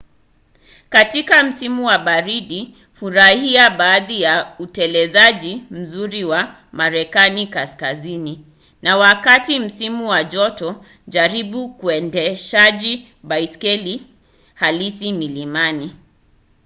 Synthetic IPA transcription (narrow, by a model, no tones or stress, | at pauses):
katikam̩simuwaɓaɾiɗi | fuɾahiaɓaːðijautɛlɛzaʄim̩zuɾiwa | maɾɛkanikaskazini | nawakatim̩simuwaʄɔtɔ | ʄaɾiɓukuɛndɛʃaʄi | ɓaiskɛli | halisimilimani